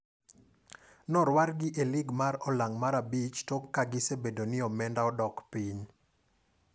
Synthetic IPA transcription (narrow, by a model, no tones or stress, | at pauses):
nɔɾwaɾɡɪʔelɪɡmaɾɔlaŋmaɾabit͡ʃtɔkːaɡɪsebedonɪɔmɛndaɔdɔkpiɲ